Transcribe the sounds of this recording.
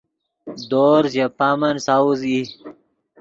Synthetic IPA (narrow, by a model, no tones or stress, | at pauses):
d̪oːɾzjapaːmɐnsauzi